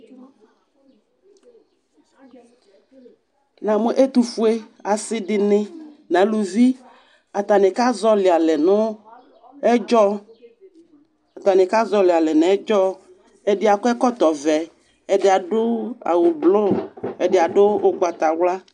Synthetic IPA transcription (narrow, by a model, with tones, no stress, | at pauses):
nã˨mo˦ʔe˦t̪u˨fu˦e˦a˨sɪ˦ɖɪ˨nɪ̃˦nã˨˦lu˨vi˦ | a˨t̪a˨nɪ̃˨ka˦zɔ˦lɪ˨a˨lɛ˨nʊ̃˦ | ɛ˦d͡ʒɔ˦ | a˨t̪a˨nɪ̃˨ka˦zɔ˦lɪ˨a˨lɛ˨nɛ̃˨ɛ˦d͡ʒɔ˦ | ɛ˦dɪ˨˦a˨kɔ˦ɛ˦kɔ˦t̪ɔ˨vɛ˨ | ɛ˨dɪ˨˦a˨ɖʊ˦a̰˨wʊ˨blo˦ɛ˨dɪ˨a˨ɖʊ˦ʊ˦ɡ͡ba˨t̪a˨wla˦